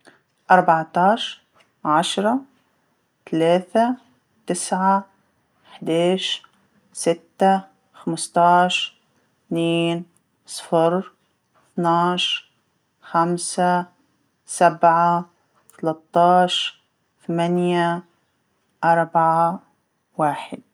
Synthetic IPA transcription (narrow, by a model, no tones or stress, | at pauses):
ʔɑɾˤbɑʕt̪ɑːʃ | ʕaʃɾˤɑ | t̪alaːθa | t̪ɪsʕa | ħd̪aːʃ | sɪt̪ːa | xamst̪ˤɑːʃ | θniːn | sˤfɪɾ | θnɑːʃ | xamsa | sabʕa | t̪ɑlɑt̪ˤːɑːʃ | θamanja | ʔɑɾˤbaʕa | waːħɪ̰d̪̚